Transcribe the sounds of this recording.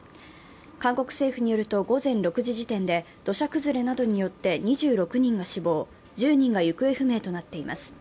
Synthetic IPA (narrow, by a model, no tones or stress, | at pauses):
kãŋko̞kɯ̟̥se̞ːɸɯ̟ɲ̟ijo̞ɾɯ̟t̪o̞ɡo̞zẽ̞nɾo̞kɯ̟ʑiʑit̪ẽ̞nd̪e̞ | d̪̥o̞ɕakɯ̟zɨɾe̞nad̪o̞ɲ̟ijo̞t̪ːe̞ɲ̟iʑɨːɾo̞kɯ̟ɲ̟ĩŋɡaɕibo̞ː | d͡ʑɨːɲ̟ĩŋɡajɯ̟kɯ̟e̞ɸɯ̟me̞ːt̪o̞nat̪ːe̞ima̰sɨ̥